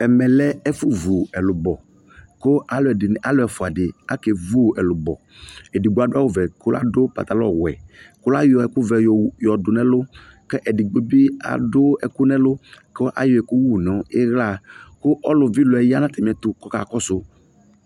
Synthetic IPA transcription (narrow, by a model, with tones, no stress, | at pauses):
ɛ˨mɛ̃˨lɛ˦ɛ˦fʊ˦vu˨ɛ˨lʊ˨bɔ˨ | kʊ˦ʔa˨lʊ˨ɛ˨dɪ˨n˨a˨lʊ˦ɛ˨fʊ˨a˨dɪ˨a˦kɛ˨vu˦˨ɛ˨lʊ˨bɔ̰˨ | ɛ˨dɪ˨ɡ͡bo˨˦a˨dʊ˦a˦˨wʊ˦˨vɛ˨kʊ˦la̰˦dʊ˦pa̰˨t̪a˨lɔ̰˦˨wɛ̰˨kʊ˦la˦jɔ˨ɛ˨kʊ˦vɛ˨jɔ˨dʊ˨nɛ̃˦lʊ˦kɛ˦ʔɛ˨dɪ˨ɡ͡bo˦bi˦a̰˨dʊ˦ɛ˨kʊ˦nɛ̃˦lʊ˦ko˦ʔa̰˨jo˨ɛ˨kʊ˦wu˦˨nɔ˨˦ɪ˦ɣla˦kʊ˦ʔɔ˦lʊ˨vi˦lʊ˨ɛ˨ja˦nã˦t̪ɛ˨m˨ɛ˨t̪ʊ˨kɔ˦ka̰˨kɔ˦sʊ˦